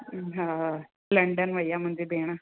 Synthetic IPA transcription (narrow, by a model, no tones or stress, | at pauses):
ɦã | ləɳɖənʋəjːam̤əɳd͡zebeɽ̃a